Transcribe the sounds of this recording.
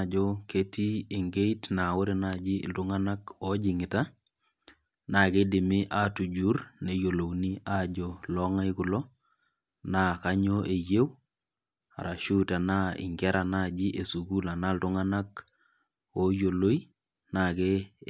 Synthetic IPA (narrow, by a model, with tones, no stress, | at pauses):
d͡ʒo˦ke˦ti˦e˨ŋɡe˦itna˨wo˦ɾe˨nad͡ʒḭ˦˨ltʊŋa˦na˦kɔ˦d͡ʒɪ˨ŋɪ˨ta˦ | na˨ke˦dɪ˨mɪ˦ʔa˦tu˨d͡ʒu˦rne˨jo˨lo˨wni˦ad͡ʒo˨lɔ˦ŋa˦jkʊ˨lɔ˦ | na˦ka˦ɲo˦ʔe˨je˦w | a̰˨ɾa˨ʃu˦ta˨na˦ɪ̰˨ŋɡɛ˦ɾa˨na˦d͡ʒi˦ʔe˨su˨ɡu˦la˨na˦ltʊ˦ŋa˦na˦k | o˦jo˨lo˦i˦ | na˨ke˦